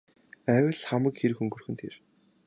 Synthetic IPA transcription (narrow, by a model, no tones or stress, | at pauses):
æːwə̆ɮχamə̆kxeɾɘ̆xɵŋɡɵ̆rxɘ̆nt̪ʰḛːr